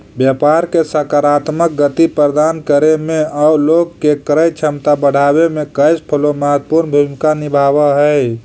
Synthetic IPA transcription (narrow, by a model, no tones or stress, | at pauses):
bjəpaɾkesəkaɾat̪mək̚ɡət̪ipɾɾəd̪ankəɾemẽauloɡkekɾəjt͡ʃʰəmt̪abəɽ̤ʱabemẽkəjspʰəloməɦət̪puɾnbʱumkanibʱabəɦəj